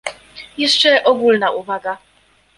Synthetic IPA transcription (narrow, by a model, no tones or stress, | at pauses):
jɛʂt͡ʂɛʔɔɡulnaʔuvaɡa